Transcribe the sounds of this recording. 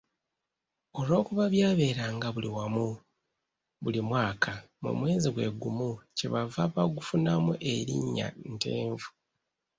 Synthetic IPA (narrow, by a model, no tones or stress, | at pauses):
o̞lo̞ːkuβaβjaːβe̞ːɾaːŋɡaβuliwamu | βulimwaːkʰamṵmwe̞ːziɡwe̞ɡumuceβavaβaɡufunamuʔe̞ɾḭɲːa̰nte̞̰ːɱvu